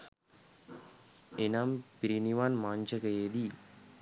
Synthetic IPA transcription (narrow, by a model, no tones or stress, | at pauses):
enaːmpiɾiniʋaːnmaːɲd͡ʒɐkɐjeːd̪i